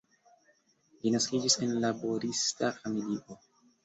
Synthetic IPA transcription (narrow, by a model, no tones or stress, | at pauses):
linaskid͡ʒise̞nlabo̞ɾistafamiliʔo̞